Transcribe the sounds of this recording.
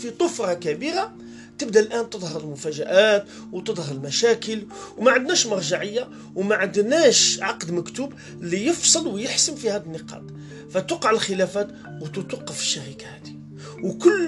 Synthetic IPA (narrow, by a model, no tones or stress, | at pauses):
fit̪ˤʊfɾˤɑkæbiɾa | t̪əbd̪alʔænt̪əd̪ˤhɑɾəlmʊfæʒæʔæt̪ | wt̪əd̪ˤhɑɾəlmæʃækəlwmaʕənd̪næʃmɑɾˤʒɑʕəjːa | wmæʕənd̪næʃʕɑqd̪məkt̪ub | lːijəfsˤəlwjəħsənfihæd̪ənːəqɑ̰t̪ | fæt̪ɑqɑʕəlxəlæfæt̪ | wt̪ət̪wɑqːəfə̥ʃːæɾikahæd̪i̥ | wkʊlː